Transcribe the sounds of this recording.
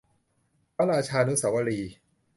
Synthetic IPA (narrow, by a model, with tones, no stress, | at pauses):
pa˦˥ɾaː˧t͡ɕʰaː˧nu˦˥sa˩˦wa˧ɾiː˧